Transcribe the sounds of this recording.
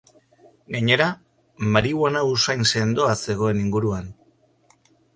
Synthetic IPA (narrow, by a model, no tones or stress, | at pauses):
ɡaɲe̞ɾa | maɾiwanausajnse̞nd̪o̞ase̞ɣ̞o̞e̞niŋɡuɾuan